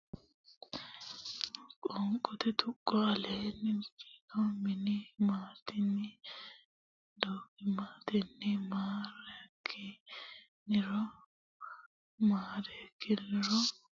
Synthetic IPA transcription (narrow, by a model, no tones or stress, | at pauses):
kʼɔŋkʼɔt̪ɛt̪ʊkʼːɔɐleːnɪnki̥tɔmɪnɪmaːt̪ɪnɪ | d̪oːkɪmaːt̪ɛnːɪmaːɾɛɐkʰːɪ | nɪɾɔ | maːɾɛkːɪnːɪɾɔ